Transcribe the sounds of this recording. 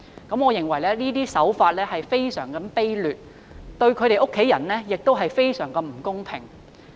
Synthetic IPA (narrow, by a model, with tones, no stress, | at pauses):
kɐ˨˥mɔː˨˧jɪ˨˩ŋwɐ˨˩jlɛː˥niː˥t̪iː˥sɐ˨˥wfaː˧t̚lɛː˥hɐ˨jfe˥jsœ̰ː˨˩ŋkɐ˨˥mpe˥jlyː˨t̚ | t̪ɵ˧ɥkʰɵ˨˧ɾe˨˧jʔo˥kʰːe˨˥jɐ˨˩nlɛː˥jɪ˨k̚t̪o˥wɦɐ˨jfe˥jsœː˨˩ŋkɐ˧mm̩˨˩kʊ˥ŋpʰɪ˨˩ŋ